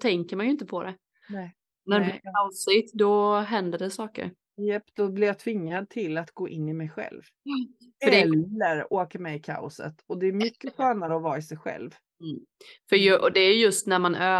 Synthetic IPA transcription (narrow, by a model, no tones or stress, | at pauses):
t̪ʰɛŋkəɾmanjɵɪnt̪əpʰɔd̪ɛ | nɛ | næɖɛɛasɪt̪d̪ɔɦɛnd̪əɖɛsɑːkə̰ɾ | jɛpt̪ɔblɪɾjat̪ʰvɪŋːad̪̚t̪ʰɪlat̪ɡoːʔɪnːɪmɛjɧɛ̰lv | fœɖɛlːəɾoːkəɾmɛjɪkʰa̰ʊ̰sə̰t̪ɔd̪ɛːɾmʏkːəɧøːnaɾəɔvɑːɪsɛjɧɛ̰lv | fœjʔɔd̪ɛæjjɵst̪næɾmanʔøː